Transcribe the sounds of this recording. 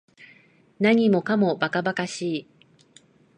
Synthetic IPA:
naɲ̟imo̞kamo̞bakabakaɕiː

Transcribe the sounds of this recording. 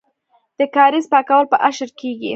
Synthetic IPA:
d̪̥əkɑɾizpɑkawəlpəʔaʃəɾkeɡḭ

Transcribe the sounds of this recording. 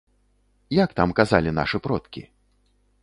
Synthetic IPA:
jakt̪amkazalʲina̰ʂɨpɾɔt̪kʲḭ

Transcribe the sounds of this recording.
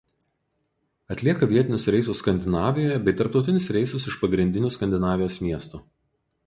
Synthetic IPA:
ɐt̪ʲlʲiɛkɐʋʲiɛɪnʲʊsɾʲɛɪsʊskɐnʲd̪ʲɪnɑːʋʲɪjoːjɛbʲɛɪt̪ɐɾp̚t̪ɒʊt̪ʲɪnʲʊsɾʲɛɪsʊsɪʃpɐɡɾʲɪnʲd̪ʲɪnʲʊskɐnʲd̪ʲɪnɑːʋʲɪjoːsmʲiɛst̪u

